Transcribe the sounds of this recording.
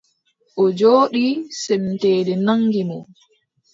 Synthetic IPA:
ʔɔd͡ʒoːɗisɛmtɛːdɛnaŋɡimɔ

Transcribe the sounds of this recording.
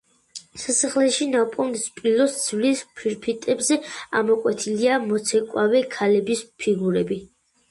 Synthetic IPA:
sasaχlɛʃinapʼɔnd̪spʼilɔsd̪z̥vlispʰiɾpʰit̪ʼɛbzɛamɔkʼwɛt̪ʰiliamɔt̪sʰɛkʼwavɛkʰalɛbispʰiɡuɾɛbi

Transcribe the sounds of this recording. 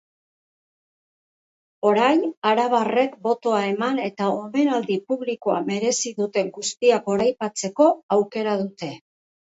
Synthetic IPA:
o̞ɾajnaɾaβ̞are̞kbo̞t̪o̞ae̞mane̞t̪aome̞nald̪ipuβlikoa̰me̞ɾe̞siðut̪e̞ŋɡust̪iako̞ɾajpat͡se̞ko̞awke̞ɾaðut̪e̞

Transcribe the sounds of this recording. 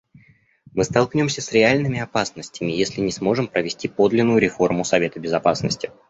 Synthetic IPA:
mɨst̪ɐlˠknʲomsʲəsɾʲɪalʲnɨmʲɪɐpasnəsʲtʲɪmʲɪjesʲlʲɪnʲɪsmo̞ʐɨmpɾəvʲɪsʲtʲipo̞d̪lʲɪnːʊjʊɾʲɪfo̞rmʊsɐvʲe̞t̪əbʲɪzɐpasnə̰sʲtʲɪ

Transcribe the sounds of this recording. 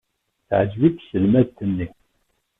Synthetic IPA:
θʕəd͡ʒviksəlmæðt̪ːənːi

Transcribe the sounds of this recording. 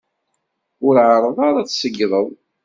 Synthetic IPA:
ʊɾʕəɾˤəðˤɑɾˤat͡sːsəɡðˤəðˤ

